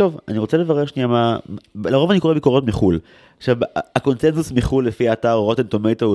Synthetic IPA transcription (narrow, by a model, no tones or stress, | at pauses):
to̞va̰niʁot͡sele̞vaʁeʁʃniamamlaʁovaniko̞ebikoʁo̞tmiχul | ʃabako̞nsenzusmiχulːefiaːtaʁoʁot̪ent̪omejt̪a